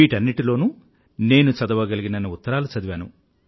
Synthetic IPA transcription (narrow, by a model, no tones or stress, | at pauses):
iːʈɐnːiʈilo̞ːnuː | ne̞ːnut͡ʃɐd̪ɐʋɐɡɐliɡinɐnːiut̪ːɐɾaːlut͡ʃɐd̪iʋaːnṵ